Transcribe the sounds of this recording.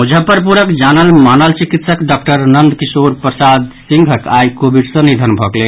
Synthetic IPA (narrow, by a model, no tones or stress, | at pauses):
ud͡ʒʱəpəɾpuɾəkd͡ʒanəlmanəlt͡ʃikit̪səkɖɔkʈəɾnənd̪ʱkisoɾpɾəsad̪sĩŋɡʱəkajkobʱiɖsə̃nid̪ʱənbʱɔklɛ